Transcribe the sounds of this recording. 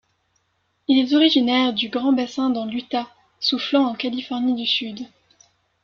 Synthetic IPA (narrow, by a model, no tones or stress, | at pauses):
ilɛt̪ɔʁiʒinɛʁd̪yɡʁɑ̃basɛ̃d̪ɑ̃lyt̪a | suflɑ̃ɑ̃kalifɔʁnid̪ysyd̪